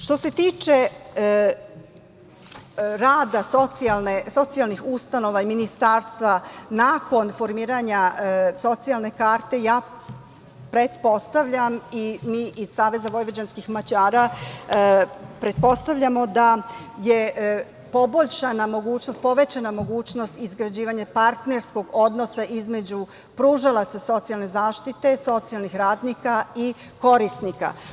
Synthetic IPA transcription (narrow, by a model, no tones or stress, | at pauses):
ʃt̪o̞se̞t̪iːt͡ʃe | ɾaːd̪asot̪sialˠneso̞t̪sijalnixust̪ano̞ʋaiminist̪aːɾst̪ʋanaːko̞nfo̞ɾmiːɾaɲaso̞t̪sialˠne̞kaːɾt̪e̞jaː | pɾe̞d̪po̞st̪aʋʎamimiːʔiz̥saːʋe̞zaʋo̞jʋod͡ʑanskixmat͡ɕaːɾa | pɾe̞t̪po̞st̪aʋʎamo̞d̪aje̞ | po̞bo̞ʎʃanamo̞ɡuːt͡ɕnost̪̚po̞ʋe̞t͡ɕanamo̞ɡuːt͡ɕno̞st̪izɡɾad͡ʑiːʋaɲapaɾt̪ne̞ɾsko̞ɡo̞d̪no̞saʔizme̞d͡ʑu | pɾuːʒalˠat̪saso̞t̪sijalˠne̞zaːʃt̪it̪e̞so̞t̪sijalnixɾaːd̪nikai | ko̞ɾisnika̰